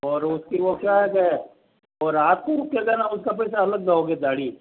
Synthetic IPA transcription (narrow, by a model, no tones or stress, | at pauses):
ɔːɾʊskiʋokjaːɦɛkɛ | ɔːɾaːt̪̚kuɾkːeɡɛnaʊskap̬ɛːs̬aɐləɡ̚d̪aoɡed̪aːɽi